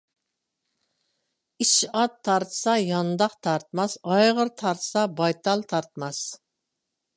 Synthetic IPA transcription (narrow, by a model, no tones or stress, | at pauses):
iʃɑt̪ʰːɑɾt̪ʰsɑjɑnd̪ɑqt̪ʰɑɾt̪mɑsɑjʁəɾt̪ʰɑɾt̪sɑbɑjt̪ʰɑlˠt̪ʰɑɾt̪mɑs